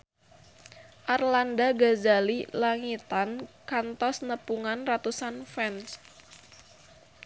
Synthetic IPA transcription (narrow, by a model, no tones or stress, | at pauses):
ʔarlandaɡazalilaŋit̪ankant̪ɔsnəpuŋanrat̪usanfɛns